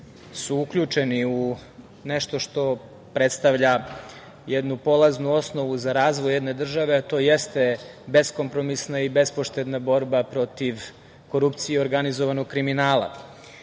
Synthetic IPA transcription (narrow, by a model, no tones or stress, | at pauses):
suukʎʲut͡ʃeniu | neʃt̪o̞ʃt̪o̞ | pɾet̪st̪aʋʎa | jed̪nupo̞lˠaznuo̞sno̞ʋuzaɾaːzʋojed̪ne̞d̪r̩ʒaʋe̞at̪o̞ːjest̪e̞ | be̞sko̞mpɾo̞misnaibe̞spoʃt̪ed̪nabo̞ɾbapɾo̞t̪iʋ | ko̞ɾupt̪sijeo̞ɾɡanizoʋanoɡ̚kɾiminaːlˠa̰